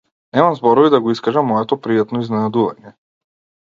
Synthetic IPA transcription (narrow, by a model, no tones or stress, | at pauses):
nɛmamzbɔɾɔvid̪aɡɔiskaʒamːɔɛt̪ɔpɾijat̪nɔiznɛnad̪uva̰ɲɛ